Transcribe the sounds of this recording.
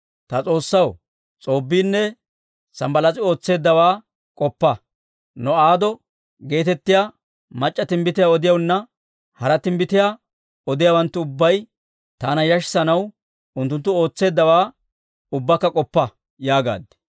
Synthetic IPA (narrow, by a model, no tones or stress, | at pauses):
t̪ɐt͡sʼo̞ːsːɐw | t͡sʼo̞ːbːiːnːɛ | sɐmbɐlɐt͡sʼɪo̞ːt͡sːe̞ːd̪ːɐwaː | kʼɔpːɐ | nɔaːd̪ɔ | ɡe̞ːt̪ɛt̪ːɪjaː | mɐt͡ʃʼːɐt̪ɪmbɪt̪ɪjaɔd̪ɪjɐwnːɐ | hɐɾɐt̪ɪmbɪt̪ɪjaː | ɔd̪ɪjaːwɐnt̪ːʊʊbːɐj | t̪aːnɐjɐʃsɐnɐw | ʊnt̪ːʊnt̪ːʊo̞ːt͡sːe̞ːd̪ːɐwaː | ʊbːɐkːɐkʼɔpːɐ | jaːɡa̰ːd̪ːɛ̥